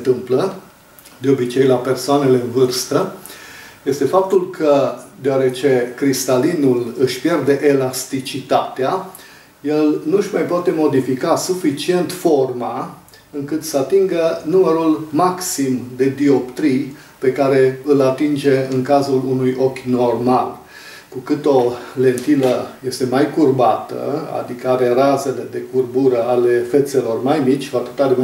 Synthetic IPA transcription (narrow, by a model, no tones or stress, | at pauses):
nt̪ɨmplə | d̪eo̞bit͡ʃe̞jlape̞rsoane̞le̞ɨnvɨrst̪ə | je̞st̪e̞fap̚t̪ulkʰəd̪eoaɾe̞t͡ʃe̞kɾist̪alinulɨʃʲpje̞rd̪e̞ʔelast̪it͡ʃit̪at̪ea | je̞lnuɨʃmajpoat̪e̞mo̞d̪ifikasufit͡ʃie̞nt̪fo̞rma | ɨŋkɨt̪səat̪iŋɡənuməɾulmaksimd̪e̞d̪io̞pt̪ɾij | pe̞kaɾe̞ɨlat̪ind͡ʒe̞ɨŋkazulunujo̞kʲno̞rmal | kukɨt̪o̞le̞nt̪iləje̞st̪e̞majkurbat̪ə̰a̰d̪ikəaɾe̞raze̞le̞d̪e̞kurbuɾəale̞fe̞t̪se̞lo̞rmajmit͡ʃʲkuat̪ɨ̥t̪aɾe